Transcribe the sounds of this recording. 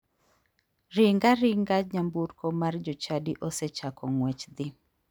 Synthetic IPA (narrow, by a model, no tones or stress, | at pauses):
riŋɡaɾiŋɡaɲambuɾkɔmard͡ʒot͡ʃadiʔosɛt͡ʃakɔŋwɛt͡ʃd̪ɪ